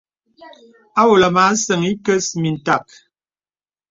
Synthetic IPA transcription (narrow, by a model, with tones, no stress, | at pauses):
a˦wo˨la˨ma˨˦sə˨ŋi˦kə˦smi˨n̩˨ta˦˨k̚